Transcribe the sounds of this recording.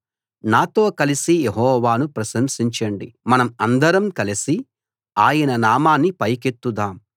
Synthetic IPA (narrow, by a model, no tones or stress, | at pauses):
naːt̪o̞ːkɐlisijeɦɔːʋaːnupɾɐsɐmsiɲt͡ʃɐɳɖḭmɐnɐmɐnd̪ɐɾɐmkɐlisi | aːjɐnɐnaːmaːnːipɐjket̪ːud̪aːm